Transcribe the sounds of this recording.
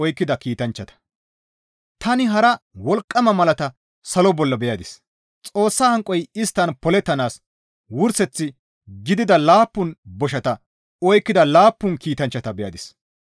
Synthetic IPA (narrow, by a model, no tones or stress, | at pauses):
ɔjkːɪd̪ɐkiːt̪ɐnt͡ʃːɐt̪ɐ̥ | t̪ɐnɪɦɐɾɐwɔlkʼːɐmɐmɐlɐt̪ɐ | sɐlɔbɔlːɐbɛjɐd̪ɪs | t͡sʼo̞ːsːaːhɐŋkʼːɔjɪst̪ːɐnpɔlɛt̪ːɐnaːs | wʊɾsɛt͡sːɪ | ɡɪd̪ɪd̪ɐlaːpːʊnbɔʃɐt̪ɐ | ɔjkːɪd̪ɐlaːpːʊnkiːt̪ɐnt͡ʃːɐt̪ɐbɛjɐ̰d̪ɪs